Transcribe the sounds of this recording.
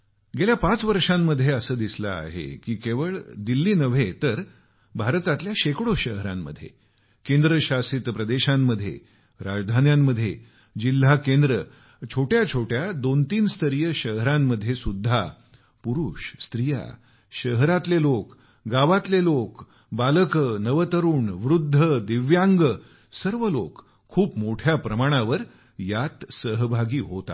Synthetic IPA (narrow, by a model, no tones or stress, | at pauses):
ɡeljapat͡sʋəɾʂamːəd̪ʱːjeəsəːd̪isla̰a̰ɦḛkiːkeʋəɭd̪ilːiːnəʋ̤et̪əɾ | bʱaɾt̪at̪ljaɕekɽoɕəɦəɾa̰mːəd̪ʱjḛ | kẽnd̪ɾəɕasit̪pɾəd̪eɕamːəd̪ʱːjḛ | ɾa̰d͡zd̪ʱanjamːəd̪ʱːje | d͡ʑil̤ːakend̪ɾə | t͡ɕʰoʈjat͡ɕʰoʈjad̪ont̪iːnst̪ʰəɾijəɕəɦɾamːəd̪ʱːjesud̪ʱːa | puɾuːɕst̪ɾija̰ | ɕəɦɾat̪lelok | ɡaʋat̪lelok | baləkənəʋət̪əɾuːɳʋɾud̪ʱːəd̪iʋjaŋɡə | səɾʋəlokʰː | uːpmoʈʰjapɾəmaɽ̃aʋəɾ | jat̪səɦbʱaɡiːɦot̪a̰